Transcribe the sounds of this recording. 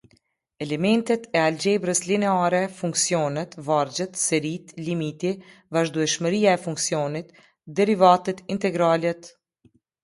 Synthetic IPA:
ɛlɛmɛnt̪ɛt̪ɛald͡ʒɛbɾəslinɛaɾɛfuŋksijɔnɛt̪vaɾd͡ʑət̪sɛɾit̪limit̪ivaʒd̪uɛʃməɾijaɛfuŋksijɔnit̪ | d̪ɛɾivat̪ɛt̪int̪ɛɡɾalɛt̪

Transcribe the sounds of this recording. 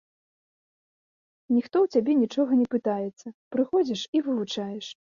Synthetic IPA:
nʲixt̪ɔwt͡sʲabʲɛnʲit͡ʂɔɣɐnʲɛpɨt̪ajɛt̪sːɐpɾɨxɔd͡zʲiʂivɨvˠut͡ʂajɛʂ

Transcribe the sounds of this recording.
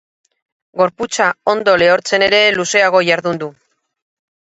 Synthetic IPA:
ɡo̞ɾput͡sao̞nd̪o̞le̞o̞ɾt͡se̞ne̞ɾe̞luse̞aɣ̞o̞ʝaɾðund̪u

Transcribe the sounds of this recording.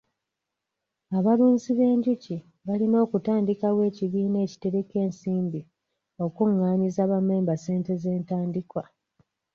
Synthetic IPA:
aβaluːnziβe̞ːɲɟuci | βalino̞ːkutaːndikawe̞ːciβiːne̞ːci̥te̞ɾeke̞ːnsiːmbi | o̞kuŋːaːɲizaβame̞ːmbase̞ːnte̞ze̞ːntaːndikwa

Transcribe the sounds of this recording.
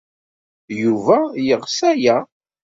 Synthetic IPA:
juvæjəʁsæjæ

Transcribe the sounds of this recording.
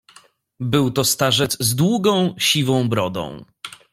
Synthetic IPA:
bɘwt̪ɔst̪aʐɛd̪zzd̪wuɡɔ̃w̃ɕivɔ̃w̃bɾɔd̪ɔ̰̃w̃

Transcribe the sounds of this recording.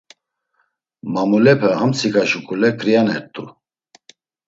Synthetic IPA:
mamulɛpʰɛhamt͡sʰikʼaʃukʼulɛkʰʼɾijanɛɾt̪ʼu

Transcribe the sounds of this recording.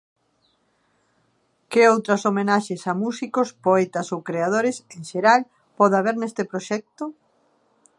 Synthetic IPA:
keowt̪ɾɐsomenaʃesamusikospoɛt̪asowkɾeað̞oɾɪsẽŋʃeɾal | pɔðaβ̞eɾnɛst̪epɾoʃɛk̚t̪o

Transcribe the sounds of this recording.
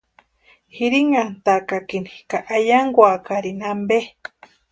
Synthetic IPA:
hiɾiŋant̪akakinikaʔajaŋɡwakaɾinambe

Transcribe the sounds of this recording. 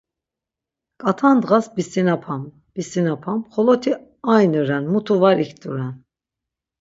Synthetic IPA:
kʼat̪ʰand̪ʁasbist̪inapʰam | b̥ist̪inapʰamχɔlɔt̪ʰi | ajnuɾɛnmut̪ʰuvaɾikʰt̪uɾɛn

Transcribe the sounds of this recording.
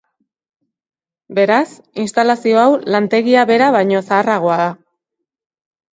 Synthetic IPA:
be̞ɾas | inst̪alasio̞awlant̪e̞ɣiaβe̞ɾaβajɲo̞saːraɣ̞o̞aða

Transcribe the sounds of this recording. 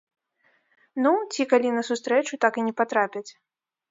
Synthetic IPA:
nut͡sʲikalʲinɐsust̪ɾɛt͡ʂut̪akɨnʲɛpat̪ɾapʲɐt͡sʲ

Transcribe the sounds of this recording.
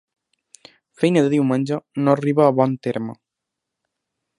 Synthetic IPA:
fejnɐðeðiwmãnʲd͡ʒonõriβaːβɔnt̪eɾmo

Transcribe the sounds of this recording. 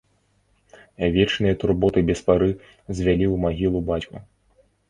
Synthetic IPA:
vʲɛt͡ʂnɨjɐt̪urbɔt̪ɨbʲɛspaɾɨ | zʲvʲalʲiwmaɣʲilˠubat͡sʲku

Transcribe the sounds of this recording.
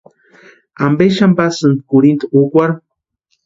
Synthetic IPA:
ambeʃambasɨnd̪kuɾint̪uukʷaɾ

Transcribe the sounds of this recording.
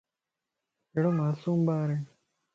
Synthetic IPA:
eːɽoːmaːsuːmbaːɾeː

